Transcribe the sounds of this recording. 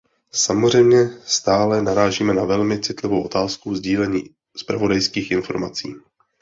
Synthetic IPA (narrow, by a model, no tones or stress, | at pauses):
samozr̝ɛjmɲɛst̪aːlɛnaɾaːʒiːmɛnavɛlmɪt͡sɪt̪lɪvowʔo̞t̪aːskuzɟiːlɛɲiː | spɾavo̞dajskiːxʔɪnfo̞̰ɾma̰t͡sḭː